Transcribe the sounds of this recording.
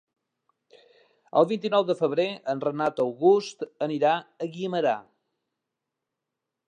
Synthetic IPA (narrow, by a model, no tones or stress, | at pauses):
ə̰lˠβint̪inɔwðəfəβ̞ɾeənrənat̪əwɣust̪əniɾaəɣiəməɾa̰